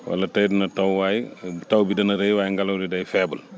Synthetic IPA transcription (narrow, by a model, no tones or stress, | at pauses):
wɐ̰lɐtɐjdinɐtɐwwaːjtɐwbidɐnɐɾejwaːjŋɡɐlɐwdidɐjfɛːbul